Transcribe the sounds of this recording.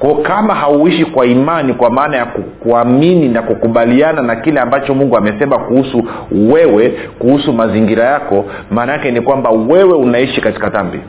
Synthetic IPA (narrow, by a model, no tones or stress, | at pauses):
kɔkamahauiʃikwaimanikwamaːnajakukuamininakukuɓaliananakilɛambat͡ʃɔmuŋɡuamɛsɛmakuhusu | wɛwɛ | kuhusumaziŋɡiɾajakɔ | maːnaakɛnikwambawɛwɛunaiʃikati̥kaðambḭ